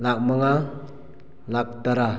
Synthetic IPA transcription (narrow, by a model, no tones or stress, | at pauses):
lak̚məŋa | lak̚t̪aɾa